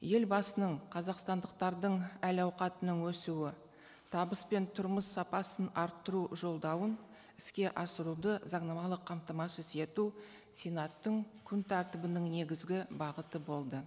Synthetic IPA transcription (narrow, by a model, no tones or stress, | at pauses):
je̞lbɑsənəɴqʰɑzɑqst̪ɑnd̪əq̚t̪ɑɾd̪əɴælɑwqɑt̪ənəŋwɵsuwɪ | t̪ʰɑbəspe̞nt̪ʰʊɾməsːɑpɑsənɑɾt̪ːəɾuʒo̞lˠd̪ɑwən | ɪskʲe̞ʔɑsəɾud̪əzɑɴnɑmɑlˠəqʰːɑmt̪ɑmɑsəse̞t̪u | sʲenɑt̪ːəŋkʲʰʏnt̪ʰæɾt̪ɪbɪnɪŋne̞ɡʲɪzɡʲɪbɑʁət̪əbo̞lˠd̪ə